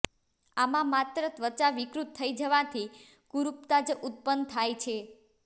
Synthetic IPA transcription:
amãmat̪ɾət̪ʋət͡ʃaʋɪkɾut̪ʰːəid͡ʒəʋãt̪ʰi | kuɾup̚t̪ad͡ʒʔut̪̚pənt̪ʰajt͡ʃʰe

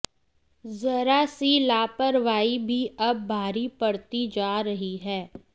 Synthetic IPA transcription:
zɐɾasilaːpəɾʋaːibʱiɐbːʱaːɾipɐɽt̪id͡ʒaːɾəɦiɦɛː

